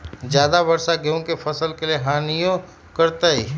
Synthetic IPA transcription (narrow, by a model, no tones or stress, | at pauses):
zd͡ʒjaːd̪abɐɾsaɡeõkefɐsəlkelieɦaːnijõ | kɐɾt̪aːiː